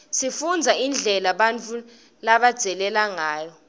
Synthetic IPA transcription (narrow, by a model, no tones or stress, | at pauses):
sifund͡zʱaind͡ɮʱɛlaɓant͡fʰʼu | laɓad̥z̥ʱɛlɛlaŋaːjɔ